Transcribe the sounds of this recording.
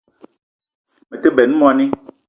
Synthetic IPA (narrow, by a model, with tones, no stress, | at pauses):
me˨te˦bɛ˨nũ˦mõ˦a˨nĩ˦